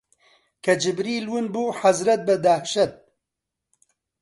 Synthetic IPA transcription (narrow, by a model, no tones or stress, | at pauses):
kʰɐd͡ʒɪbɾiːlwɨnbuːħazɾɐt̪̚bɐd̪ahʃɐt̪̚